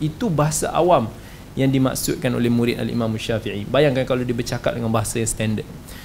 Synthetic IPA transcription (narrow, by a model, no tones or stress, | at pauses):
it̪ubaɦasa̰ʔa̰wam | jaŋdima̰ʔksʊt̪̚kano̰lɛhmũɾɪt̪a̰lḭmãmaʃafiʕibajaŋkankaladibərt͡ʃaka̰t̚dəŋanbaɦasajaŋst̪ɛndəd̪̚